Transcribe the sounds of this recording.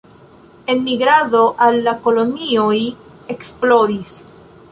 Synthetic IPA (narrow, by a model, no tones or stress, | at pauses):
enmiɣɾaðoʔalːakolonioj | eksploðis